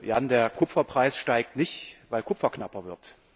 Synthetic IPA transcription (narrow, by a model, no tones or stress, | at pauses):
jandeːɐkʰʊpp͡fɐpʁ̥aɪsʃtaɪk̚tnɪçtvaɪlkʰʊpp͡fɐknapɐvɪɐt